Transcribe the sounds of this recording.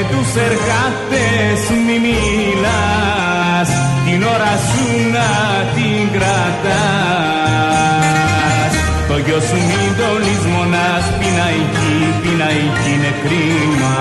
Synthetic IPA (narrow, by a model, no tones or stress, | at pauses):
t̪useɾɣant̪e | smini | la | s | t̪inoɾasu | na | t̪iŋɡɾa | t̪a | s | t̪oʝosumind̪olizmona | spinaici | p̪inaicinekɾi | n